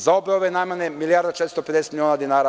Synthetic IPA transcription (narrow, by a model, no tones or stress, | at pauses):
zaobeoʋenamanemilijaːɾd̪at͡ʃet̪ɾst̪oped̪ese̥t̪milʲionad̪inaːɾa